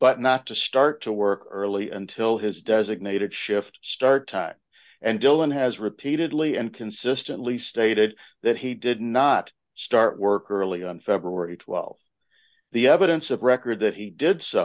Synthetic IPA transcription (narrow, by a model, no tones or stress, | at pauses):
b̥ʌtⁿnətʰɨstɑɹtʰəwɜ˞kɜ˞lˠiʔɨ̰̃ntʰɪlˠɪzdɛzɨɡ̚neɪɾɨd̥ʃɪftstɑɹt̚ʰãɪ̃m | ʔɨ̃ndɪlˠə̃nɨzɹɨpʰiɾɨdˡliɨ̃nkʰɨ̃nsɪstɨ̃nʔlisteɪɾɨd̪̚ | ðɨt̚hidɪdⁿnət | stɑɹʔwɜ˞kɜ˞lˠiə̃nfɛbɹuɛɹitʰw̥ɛ̰lˠv | ðiɛvɨɾɨ̃nsʌvɹɛkə˞d̪̚ðɨt̚hidɪdso